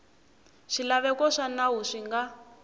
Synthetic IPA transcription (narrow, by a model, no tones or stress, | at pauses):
ʂilaβɛkɔʂanaɦuʂiŋɡa